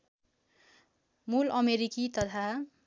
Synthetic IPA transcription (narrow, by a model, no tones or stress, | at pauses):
mulʌmeɾikit̪ʌt̪ʰa